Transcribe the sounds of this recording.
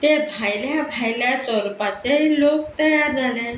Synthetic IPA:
t̪ebʱajljabʱajljat͡sɔɾpat͡ɕeilok̚t̪əjaɾd͡zʱale

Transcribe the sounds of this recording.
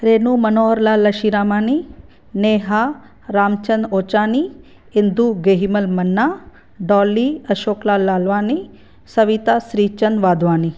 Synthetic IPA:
ɾeːnumɐnoːɦəɾlaːlɐʃiɾaːmaːni | neːɦa | ɾaːmt͡ʃɐnoːt͡ʃaːni | ind̪uɡeɦimɐlmɐnːaː | ɖɔːlːiɐʃoːklaːlːaːlʋaːni | sɐʋit̪asɾiːt͡ʃɐnʋaːd̪ʱʋaːni

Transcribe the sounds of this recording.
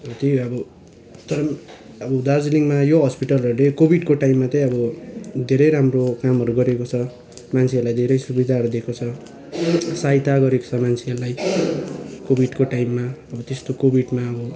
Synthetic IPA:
ʌbʌt̪ʌjʌbʌ | t̪ʌɾʌ | ʌbʌd̪ad͡zliŋmajoɦʌspiʈʌlʌɾulekobʱiɖkoʈaimːat͡sʌj̃ʌbʌd̪ʱeɾʌjɾamrokamɦʌɾuɡʌɾekot͡sʰʌ | mant͡sʰeʌlajd̪ʱeɾʌjsubid̪ʱaɦʌɾud̪ekʰot͡sʰʌ | sajt̪aɡʌɾeko̥t͡sʰʌmant͡sʰeʌɾlaj | kobʱiɖkoʈajmːaʌbʌt̪est̪okobʱiɖmaʌbʌ

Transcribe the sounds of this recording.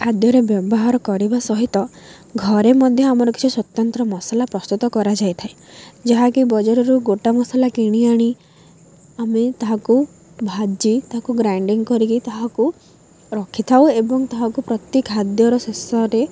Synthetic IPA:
ad̪jɔɾebjɔbɔɦaɾɔkɔɾibasɔɦit̪ɔ | ɡʱɔɾemɔd̪ʱjɔamɔɾɔki̥t͡ʃʰuswɔt̪ɔnt̪ɾɔmɔsalapɾɔst̪ut̪ɔkɔɾad͡ʒajt̪ʰaed͡ʒaɦakibɔd͡ʒɔɾɔɾuɡoʈamɔsalakiɽ̃iaɽ̃i | amet̪aɦaku | bʱad͡ʒit̪aɦakuɡɾajɳɖiŋkɔɾikit̪aɦaku | ɾɔkʰit̪ʰawebɔŋt̪aɦakupɾɔt̪jekɦad̪jɔɾɔsesɔɾe

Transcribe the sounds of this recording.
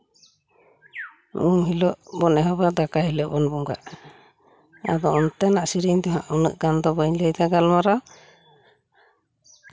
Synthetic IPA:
ʔuŋɦilɔʔbɔnɛɦɔbad̪akaɦilɔʔbɔnbuŋɡa̰ʔ | a̰d̪ɔɔnt̪ɛnaʔsiɾiɲd̪ɔɦã̰ʔunə̰ʔɡand̪ɔbəɲləjd̪aɡalmaɾa

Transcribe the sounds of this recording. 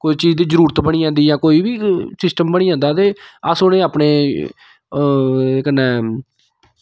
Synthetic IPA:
koːit͡ʃiːzd̪iːzəɾuːɾət̪bəɽ̃iːãːnd̪iːjãːkoːiːbiːsɪsʈəmbəɽ̃iːãːnd̪aːt̪eːəsonẽːaːpɳeː | kənɛ̃ː

